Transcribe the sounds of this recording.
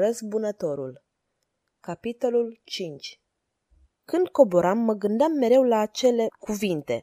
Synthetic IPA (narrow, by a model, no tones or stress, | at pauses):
ɾəsbunət̪o̞ɾṵl | kapit̪o̞lult͡ʃint͡ʃʲ | kɨnd̪̚ko̞boɾamːəɡɨnd̪amːe̞ɾe̞wlaːt͡ʃe̞le̞kuvint̪e̞̰